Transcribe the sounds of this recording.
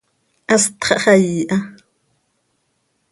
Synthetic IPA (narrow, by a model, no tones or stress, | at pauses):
ʔast̪χɑʔχɑjiːʔa